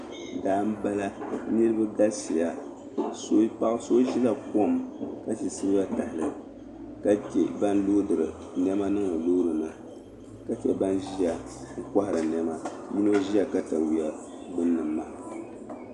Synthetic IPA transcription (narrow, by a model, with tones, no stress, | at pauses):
daː˦m˦ba˦la˦nɨ˦ɾɨ˦ba˦da˦sḭ˨ja˨ | so˦pa˦ʔɨ˦so˦ʒi˦la˦ko˦˨mka˦si˨sɨ˦ɾɨ˦ba˦ta˨hlɨ˨ | ka˦ke˨ba˦n˦lo˦dɨ˨ɾɨ̰˨ | nɛ˦ma˦nɨ˦ŋɨ˨lo˦ɾɨ˨na˨ | ka˦t͡ʃɛ˨ba˦nʒi˦a˨ | ŋ̩˦kʷa˦hɪ˨ɾɨ˨nɛ˦ma˦mi˦no˦ʒi˦ja˨ka˦ta˨wi˨a˨ | bɨ˦nːɨ˨mːa˨